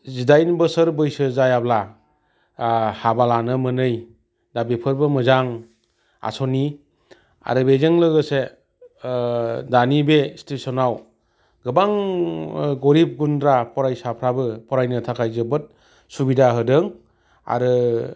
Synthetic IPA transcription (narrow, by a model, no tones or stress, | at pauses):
zidajnbɯsəɾbɯjsɯzajabla | habalanɯmɯnɯj | dabipʰɯɾbɯmɯzaŋ | a̰soni | a̰ɾɯbezeŋlɯɡɯse | danibestesɔnaw | ɡɯbaŋ | ɡoɾip̚ɡundɾapʰɔɾajsapʰɾabɯpʰɔɾajnɯtʰakʰajzɯbɯt̚ | subidaɦɯdɯŋ | a̰ɾɯ